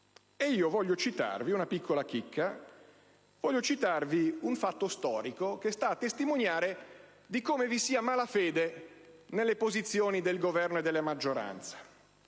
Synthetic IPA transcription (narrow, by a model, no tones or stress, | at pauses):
eiːovɔʎːot͡ʃit̪a̰rviunapikʰːolakikʰːa | vɔʎːot͡ʃit̪arviuɱfat̪ːost̪ɔːɾikok̟est̪aːt̪ːest̪imonjaːɾe | d̪ikoːmevisiːamaːlafeːd̪e | nelːepozit̪sːjoːnid̪elɡovɛrnoed̪ːelːamad͡ʒːoɾa̰nt̪sḁ